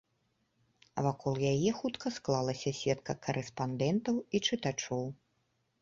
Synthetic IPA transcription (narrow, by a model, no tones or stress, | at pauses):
vakʰɔlˠjajɛxut̪kɐsklˠalˠɐsʲɐsʲɛt̪kɐkʰɐɾʔɛspand̪ɛnt̪ɐwit͡ʂɨt̪at͡ʂɔw